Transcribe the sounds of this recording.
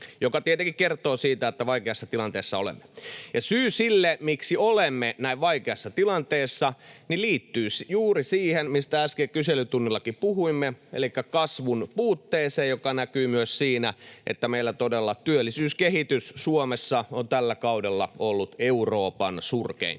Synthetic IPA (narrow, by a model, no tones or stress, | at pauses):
jokɑt̪iet̪eŋkikkert̪ˑoːsiːt̪æet̪ːæʋɑikeɑsːɑt̪ilɑnt̪eːsːɑolḛmːejɑsyːsilːemiksiolemːenæiʋʋɑikeɑsːɑt̪ilɑnt̪eːsːɑniliːt̪ːyːsjuːrisiːhenmist̪ææskekyselyt̪unːilːɑkipuhuimːeḛlikːækɑsʋunpuːt̪ːeːseːjjokɑnækyːmyøssiːnæʔḛt̪ːæmeilːæt̪odelːɑt̪yølːisyːskehit̪yssuomesːɑont̪ælːækɑudelːɑ̰olːut̪euroːpɑnsurkḛin